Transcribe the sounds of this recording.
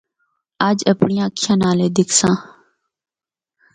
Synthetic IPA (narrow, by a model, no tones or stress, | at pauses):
aːd͡ʒəpɳɪjãːkʰjãːnaːleːd̪ɪkʰsãː